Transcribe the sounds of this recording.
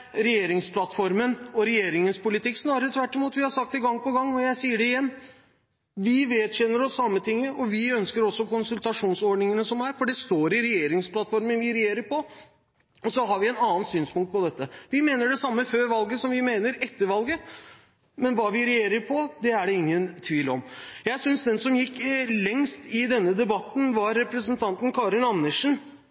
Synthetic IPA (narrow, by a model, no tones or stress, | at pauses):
ɾɛjeːɾɪŋspʰlɑt̪fɔɾmənɔɾɛjeːɾɪŋənspʊlɪt̪ɪkːsnɑːɾəɾət̪ʰʋæʈːɪmuːt̪ʋɪhɑɾʂɑk̚t̪ɪɡɑŋːpɔɡɑŋːɔjæɪsiːəɖɛɪjɛnː | ʋɪʋeːd̪ɕɛnːəɾɔsːɑmːət̪ʰɪŋːəɔʋɪœnskəɾɔsːɔkʊnsʉlt̪ɑʂuːnsɔɖɳɪŋənəsɔmæɾfɔɖɛst̪oːɾɪɾɛjeːɾɪŋsplɑt̪fɔɾmənʋɪɾɛjeːɾəɾpɔ | ɔsɔɦɑɾʋɪɛnɑːnsyːnspʊŋkt̪̚pʰɔd̪ɛt̪ːəʋɪmeːnəɖɛsɑmːəføːɾʋɑlɡəsɔmʋɪmeːnəɾɛt̪ːəɾʋɑlɡə | mɛnʋɑːʋɪɾɛjeːɾəɾpʰɔd̪ɛæɖɛɪŋːənt̪ʰʋiːlɔ̰mjæɪsʏnsd̪ɛnsɔmjɪkːlɛŋst̪ɪd̪ɛnːəd̪ɛbɑt̪ːn̩ʋɑɾːɛpɾəsənt̪ʰɑnt̪n̩kʰɑːɾɪnɑnːəʂn̩